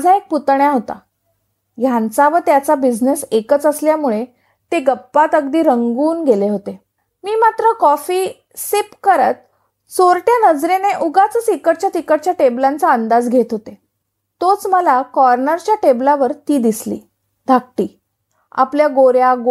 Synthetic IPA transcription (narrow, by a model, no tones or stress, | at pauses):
d͡zʱaek̚put̪ɳjaɦot̪a̰ | jãnt͡saʋət̪jat͡sabid͡znesekət͡səsljamuɭe | t̪eɡəpːat̪əɡd̪iːɾəŋɡuːnɡeleɦot̪e | miːmat̪ɾəkɔfiː | sepkəɾət̪̚ | soɾʈjanəd͡zɾeneʔuɡat͡səsikəʈt͡ɕjat̪ikəʈt͡ɕjaʈeblant͡saənd̪ad͡zɡʱet̪ɦot̪e | t̪ot͡sməlakɔɾnəɾt͡ɕjaʈeblaʋəɾt̪iːd̪islḭː | d̪ʱak̚ʈiː | a̰pljaɡoɾjaɡ